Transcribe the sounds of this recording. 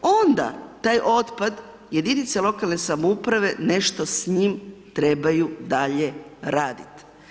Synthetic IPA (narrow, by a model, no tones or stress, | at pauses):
o̞nd̪a̰t̪aːjʔo̞t̪pad̪ | je̞d̪init̪selo̞kalˠne̞samoupɾaʋe̞ne̞ʃt̪osɲimt̪ɾe̞bajud̪aʎe̞ɾaːd̪it̪